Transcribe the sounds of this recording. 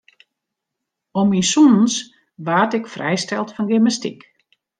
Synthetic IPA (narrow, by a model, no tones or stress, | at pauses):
ɔminsunns | ʋaːtɪkfrɛ̰jstɛlˠtfɔnɡɪmastḭk